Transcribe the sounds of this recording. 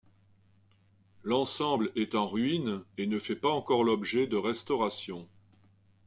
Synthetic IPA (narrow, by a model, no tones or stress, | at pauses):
lɑ̃sɑ̃blɛt̪ɑ̃ʁɥinenəfɛpaɑ̃kɔʁlɔbʒɛd̪əʁɛst̪ɔʁasjɔ̃